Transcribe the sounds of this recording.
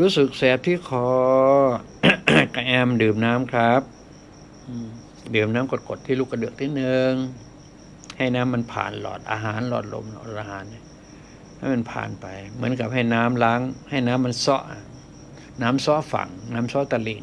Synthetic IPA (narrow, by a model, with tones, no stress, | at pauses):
ɾuː˦˥sɯ˨˩k̚sɛː˨˩t̪ʰːiː˧˩kʰɔː˨˦ | ka˧˩ʔɛː˧˩m˧dɯː˨˩mnaː˦˥mkʰɾa˦˥p̚ | ʔɯː˨˧˩ | dɯː˨˩mnaː˦˥mko˨˧˩ko˨˩t̪ʰːi˧luː˧˩kʰːa˧˩dɯ˨˩ək̚t̪ʰiː˧˩nɯ˧ŋ | ha˥˩jnaː˦˥mːa˧˨npʰa̰ː˨˩nlɔ̰ː˨˩t̪̚ʔa̰ː˧ɦaː˨˦nlɔː˧˩t̪̚lo̰˧m˧˨ʔaː˧ɦaː˨˩˦nːa˧˩ | ha˥˩jma˧npʰa̰ː˨˩npa˨˩jmɯ˩˦ənka˧˩p̚ha˧˥˩jnaː˦˥mla˧˥ŋha˧˩jnaː˦˥mːa˧nsɔ˦˥ʔ | naː˦˥msɔ˦˥ʔfa̰˨˩ŋnaː˦˥msɔː˦˧˥t̪a˧li˧˩